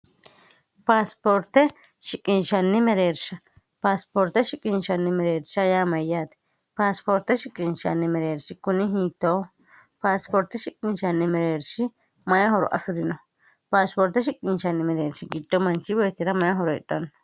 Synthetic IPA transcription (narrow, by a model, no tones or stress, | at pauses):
paspoɾt̪e | ʃikʼinʃanːimeɾeɾʃa | paspoɾt̪eʃikʼinʃanːimeɾeɾʃajamajat̪i̥ | paspoɾt̪eʃikʼinʃa̰nːimeɾeɾʃikuniɦit̪o | paspoɾt̪eʃikʼint͡ʃanːimeɾeɾʃi | majaɦoɾo̰ʔa̰suɾino | paspoɾt̪eʃ̬ikʼinʃanimeɾeɾʃiɡit̪ːomant͡ʃiweːt̪iɾamajaɦoɾoḛtʼan